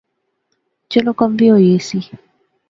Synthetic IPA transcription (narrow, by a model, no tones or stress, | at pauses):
t͡ʃɛlɔkɔmbiɔjesi